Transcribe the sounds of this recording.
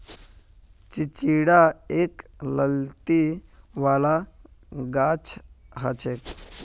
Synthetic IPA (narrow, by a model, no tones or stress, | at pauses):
t͡ʃit͡ɕiɽaekləlt̪iʋala | ɡat͡ʃʰɦat͡ʃʰek